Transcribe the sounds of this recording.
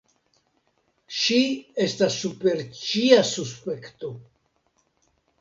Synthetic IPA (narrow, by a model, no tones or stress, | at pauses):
ʃiestasːupe̞ɾt͡ʃiasuspe̞kt̪o